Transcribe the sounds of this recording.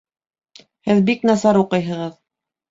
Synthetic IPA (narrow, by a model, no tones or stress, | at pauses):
hɘðbiknɑsɑɾuqɤjɦɤ̆ʁɤð